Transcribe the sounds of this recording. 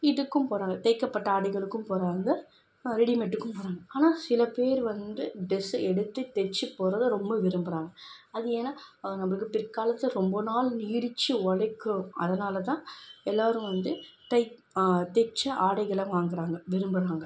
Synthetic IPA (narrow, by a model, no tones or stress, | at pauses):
ɪɽɯkːɯmpoːɾaːŋɡɐt̪ɐɪkːɐpːɐʈːɐaːɽɪɣɐɭɯkːɯmpoːɾaːŋɡɐ | ɾɛɽimɛʈːɯkːɯmpoːɾaːŋɡɐaːnaːsɪlɐpeːɾʋɐnd̪ɯɖɪsɛɽɯt̪ːɯt̪ɛt͡ʃːɯpoːɾɐðɯɾɔmbɐʋɪɾɯmbɯɾaːŋɡɐ | ɐðɯeːnaːnɐmɐɭɯkːɯpɪɾkaːlɐt̪ːɐɾɔmbɐnaːlniːɾt͡ʃːɯʋɔɭɐɪkːɯɐðɐnaːlɐt̪ãːɛlːaːɾɯ̃ʋɐnd̪ɯt̪ɐɪ | t̪ɛt͡ʃːɐʔaːɽɐɪɣɐɭɐ̃ʋaːŋɡɪɾaːŋɡɐʋɪɾɯmbɯɾaːŋɡɐ